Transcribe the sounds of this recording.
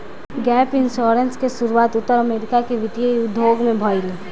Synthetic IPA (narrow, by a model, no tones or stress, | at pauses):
ɡɛːpɪnʃɔːɾenskesʊɾuwaːt̪ʊt̪ːəɾɐmeːɾɪkakeʋɪt̪ijəʊd̪ʱːoːɡmẽbʱɔːili